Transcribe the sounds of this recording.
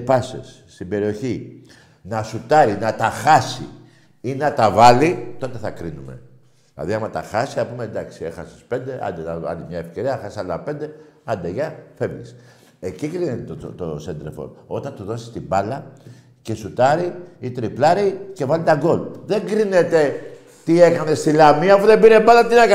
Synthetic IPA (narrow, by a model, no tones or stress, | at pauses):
pɐsḛsːt̪imbe̞ɾio̞çi | nɐsut̪ɐɾinɐt̪ɐxɐsḭ | inɐt̪ɐvɐlit̪o̞t̪e̞θɐkɾinume̞̰ | ðilɐ̰ðiɐmɐt̪ɐ̰xɐsi̥ɐpumend̪ɐksie̞̰xɐsi̥spe̞nd̪e̞ʔɐ̰nd̪et̪ɐvɐ̰limɲɐefce̞ɾiɐxɐsiɐlɐpe̞nd̪e̞ɐnd̪eʝɐfe̞vlḭs | ecikɾinet̪t̪oot̪osend̪ɾefo̞̰o̞t̪ɐnt̪uðo̞si̥st̪ibɐlɐ | ce̞sut̪ɐɾiit̪ɾiplɐɾice̞vɐlit̪ɐɡo̞lðe̞ŋɡɾinet̪e̞ | t̪ie̞kɐne̞st̪ilɐmiɐfuðe̞biɾe̞bɐlɐt̪inekɐ